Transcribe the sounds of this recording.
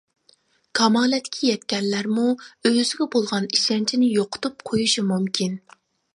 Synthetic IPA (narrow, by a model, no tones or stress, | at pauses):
kʰɑmɑːlɛt̪ʰɪ̥kʲʰijɛt̪̚kʲɛnːæɾmuøzɪɡʲɛbolˠʁɑniʃɛnt͡ʃʰinɪjoqʰʊ̥t̪up̚qʰojuʃimumkʲʰin